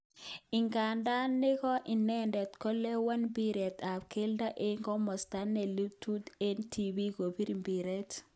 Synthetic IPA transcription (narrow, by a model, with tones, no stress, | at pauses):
i˨ŋka˨nda˦nːɪ˦kɔ˦ʔi˨nɛndɛ˨t̪kɔ˦lːɛ˦wa˦nbiɾe˨ta˨pke˦lda˦ʔe˦ŋkɔ˦mɔ˨sta˦nːe˨lu˦tːut̪entʰibi˦ko˨pi˦ɾi˨mbiɾɛt